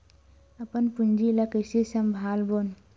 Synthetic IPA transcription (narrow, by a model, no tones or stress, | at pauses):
əpənpund͡ʒiləkəjsesəmbʱaːlbon